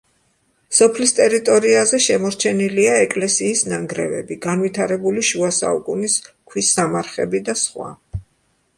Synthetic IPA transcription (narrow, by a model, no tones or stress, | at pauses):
sɔpʰlist̪ʼɛɾit̪ʼɔɾiazɛʃɛmɔɾt͡ʃʰɛniliaɛkʼlɛsiːsnaŋɡɾɛ̰vɛ̰biɡanvit̪ʰaɾɛbuliʃuasa̰ukʼuniskʰwisamaɾχɛbid̪asχwa̰